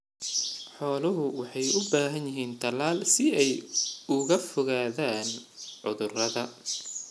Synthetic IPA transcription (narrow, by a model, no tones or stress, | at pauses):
ħɔːlɐɦʊwɑħɑjʊbaːɦɐnjɪɦiːnt̪ʰɐlaːlsɪɛjʊɣɐfɔɣaːðaːnʕʊðʊrɐðɐ